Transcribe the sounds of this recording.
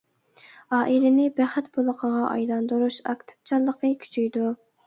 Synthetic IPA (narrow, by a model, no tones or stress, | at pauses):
ɑːʔilɪnɪbæχɛt̪bolˠəqʰəʁɑʔɑ̰jlˠɑnd̪uɾuʃɑkt̪ʰɪ̥p̚t͡ʃʰɑlˠːəqəkʲʰy̥t͡ʃʰyjd̪u